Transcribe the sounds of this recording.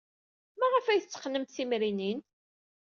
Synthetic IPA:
mæʁəfæjθət͡sːə̥χnəmt̪θimɾinin

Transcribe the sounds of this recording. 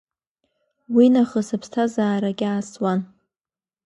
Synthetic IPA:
winaχəsapʰstʰazaːɾaɡʲaːswan

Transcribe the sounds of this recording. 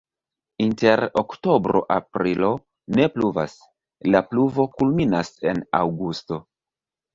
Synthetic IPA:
inte̞ɾokto̞bɾo̞̰ʔapɾilo̞ | ne̞pluva̰s | lapluvo̞kulminase̞nawɡusto̞

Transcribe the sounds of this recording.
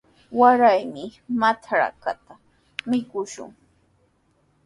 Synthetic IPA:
waɾajmɪmat͡ʃaɾa̰ka̰t̪a | mɪkʊʃʊ̰ŋ

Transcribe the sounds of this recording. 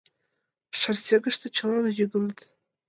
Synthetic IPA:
ʂarsʲeɡɨʂtʰat͡ʃʰalanaʒʲɪɡɨlɨtʼ

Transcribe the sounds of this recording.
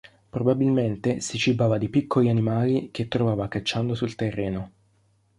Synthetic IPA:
pɾobabilment̪esit͡ʃibaːvad̪ipikʰːolianimaːlik̟et̪ːɾovaːvakat͡ʃːand̪osult̪erːeːno

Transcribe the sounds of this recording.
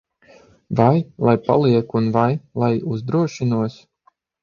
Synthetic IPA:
vajlˠajpa̰lˠiɛkunvajlˠajuzd̪ɾuɔʃinuɔs

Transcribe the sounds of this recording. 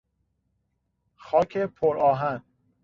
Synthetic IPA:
xɒːcʰepʰoɾɒːɦæn

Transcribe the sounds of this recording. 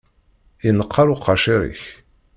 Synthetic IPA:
ənəqʰːɑɾʊqʰːɑʃiɾḭç

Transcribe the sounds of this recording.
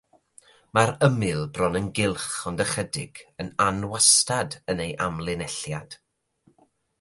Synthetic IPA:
maɾəmɪlˠbrɔnənɡɪlˠχɔndəχədɪ̰ɡ̥ənanwastadənejʔamlˠɪnɛɬjad̥

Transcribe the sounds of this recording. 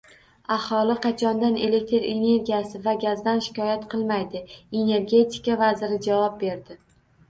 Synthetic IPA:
ahɒlˠɪqʰɑt͡ʃʰɒnd̪ane̞le̞k̚ʲt̪ɾe̞ne̞ɾɡʲijasɪvaɡʲazd̪anʃɪ̥kɒjat̪qʰɨlˠmajd̪ɪe̞ne̞ɾɡʲe̞t̪ʰɪ̥kʲavazɪɾɪd͡ʒavɒp̚be̞ɾd̪ɪ

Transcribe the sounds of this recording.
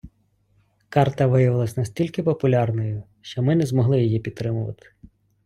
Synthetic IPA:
kɑrt̪ɐʋɪjɐʋɪlˠɐsʲnɐsʲtʲilʲkɪpɔpʊlʲɑrnɔjʊ | ʃt͡ʃɔmɪnɛzmɔɦlˠɪjɔjipʲid̪t̪ːɾɪmʊʋɐ̰t̪ɪ̥

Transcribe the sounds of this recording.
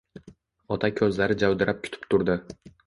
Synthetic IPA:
ɒt̪ʰakʲʰɵzlaɾɪd͡ʒawd̪ɪɾap̚kʲʰʊ̥t̪ʰɪ̥pt̪ʰʊɾd̪ɪ

